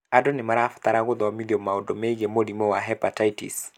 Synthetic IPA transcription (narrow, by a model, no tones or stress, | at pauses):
adɔnɪmaɾafɔ̥t̪aɾaɣʊðwamiðiɔmːaodomɛiɣemoɾimɔwaɦɛpataitḭs